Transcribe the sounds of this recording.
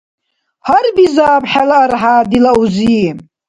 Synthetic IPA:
harbizaːpħalaarħaːdilawzi

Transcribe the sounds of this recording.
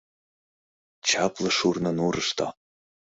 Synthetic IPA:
t͡ɕɑplˠɤʃurnɤnuɾəʃt̪ʰɑ̰

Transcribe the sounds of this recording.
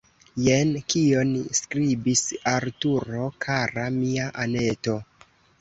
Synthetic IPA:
jenkio̞nskɾibisaɾtuɾo̞kʰaɾamiaʔane̞to̞

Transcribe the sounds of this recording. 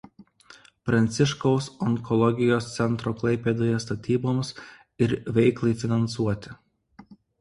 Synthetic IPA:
pɾɐnʲt̪sʲɪʃkoʊsɔŋkɔlˠɔɡʲɪjoːst̪sʲɛnt̪ɾoːklˠɐɪpʲeːd̪oːjɛst̪ɐt̪ʲiːboːms | ɪɾʋʲɛɪklˠɐɪfʲɪnɐnsuɔt̪ʲɪ

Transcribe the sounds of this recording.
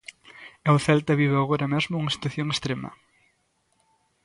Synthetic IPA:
ɛwθɛlt̪ɐβiβɪaɣoɾɐmezmʊuŋɐsi̥t̪waθjoŋest̪ɾemɐ̰

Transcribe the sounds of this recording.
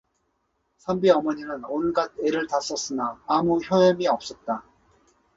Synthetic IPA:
sʰambiʌmʌɲinɯnonɯɭɡad̚ʰeɾɯɭtas͈ʌs͈ɯnaːmuçjʌjʌmiʌp̚s͈ʌt̚t͈a

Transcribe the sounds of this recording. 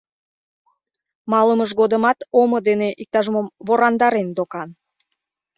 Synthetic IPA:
mɑləməʃɣod̪əmɑt̪oməd̪eneʔik̚t̪ɑʒmomvoɾɑnd̪ɑɾend̪okɑn

